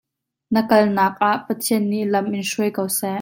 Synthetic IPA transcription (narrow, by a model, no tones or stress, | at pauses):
nəkɐlnaːk̚ʔaʔpɐt̪ʰiənːiʔlɐmʔɪnʂuəjkowsɛʔ